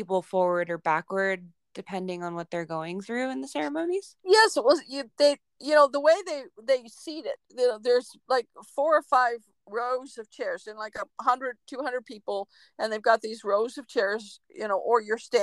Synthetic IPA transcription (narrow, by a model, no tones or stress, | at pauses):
ipl̩ˠfɔɹwə˞ɾə˞bækwə˞d̚ | d̥ɨpʰɛ̃ndɪ̃ŋə̃nwʌt̪̚ðə˞ɡoʊɪ̃ŋθɹʉɨ̃nðəsɛɹɨmõʊ̃niz̥jɛswʌjɨðeɪ | jɨnoʊðəweɪðeɪðeɪsiɾɪt̚ɨnoʊðə˞z̥laɪkfɔɹə˞faɪv | ɹoʊzʌv̥t͡ʃʰɛɹz̥ɨ̃nlaɪkəɦʌ̃ndɹɨd̚tʰʉhʌ̃ndɹəd̚pʰipl̩ˠ | ɨ̃nðeɪvɡɑt̪̚ðizɹoʊzʌv̥t͡ʃʰɛɹzjɨ̰ñoʊʔə˞jə˞stæ̃